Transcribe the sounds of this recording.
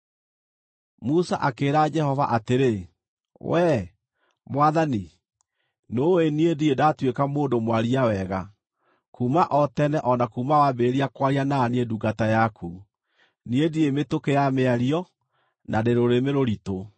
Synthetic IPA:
musa̰ʔakeːɾad͡ʒɛhɔva̰ʔateɾe | wɛ | mwaðani | noeniediedatwekamoːdomwaɾiawɛɣa | kumaʔɔtɛnɛʔɔnakumawabeɾiakwaɾianaːneeduɡatajakʰu | niediemetokejameaɾiɔ | nʔadeɾoɾemeɾoɾito

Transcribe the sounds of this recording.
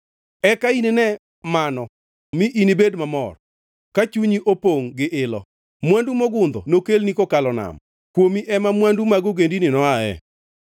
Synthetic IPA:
ɛkainenɛ | manɔ | miʔinibedmamɔr | kat͡ʃuɲiʔopoŋɡɪʔɪlɔ̰ | mwandumoɡʊnd̪ɔnokelnikokalɔna̰m | kwomiʔɛmamwandumaɡoɡendinɪnɔaɛ̰

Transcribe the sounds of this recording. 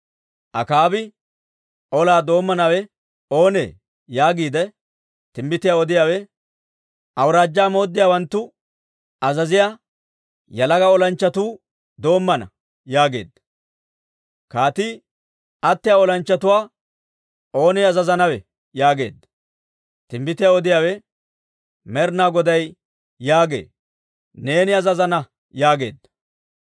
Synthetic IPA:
ʔɐkaːbɪ | ʔɔlaːd̪o̞ːmːɐnɐwɛ | o̞ːnḛː | jaːɡiːd̪ɛ | t̪ɪmːɪt̪ɪjaːɔd̪ɪjaːwɛ | ʔɐwɾaːd͡ʒːaːmo̞ːd̪ːɪjaːwɐnt̪ːʊ | ɐzɐzɪjaː | jɐlɐɡɐɔlɐnt͡ʃːɐt̪uː | d̪o̞ːmːɐnɐ̰ | jaːɡe̞̰ːd̪ːɐ | kaːt̪ɪ | ɐt̪ːɪjaɔlɐnt͡ʃːɐt̪ʊwaː | ʔo̞ːnɪɐzɐzɐnɐwɛ | jaːɡe̞̰ːd̪ːɐ̥ | t̪ɪmbɪt̪ɪjaɔd̪ɪjaːwɛ | mɛɾnaːɡɔd̪ɐjː | aːɡe̞̰ː | ne̞ːnɪɐzɐzɐnɐ | jaːɡe̞ːd̪ːɐ̥

